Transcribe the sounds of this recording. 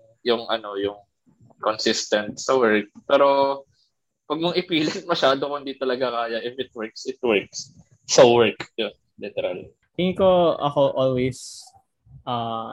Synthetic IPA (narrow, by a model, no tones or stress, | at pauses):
jʊŋʔɐno̞jʊŋ | konsɪst̪ɐnt̪̚sɐwɛɹk̚pɛːɾo̞ | wɐɡ̚moŋʔɪpiːlɐt̪̚mɐʃaːd̪okond̪it̪ɐlɐɡakaːjɐʔɪfɪt̪̚wɛɹksɪt̪̚wɛɹk̚s | sɐwɛɹkjon | lɪt̪ɛɾa̰l | t̪ɪŋkoʔɐ̰koʔolwejs | ʔa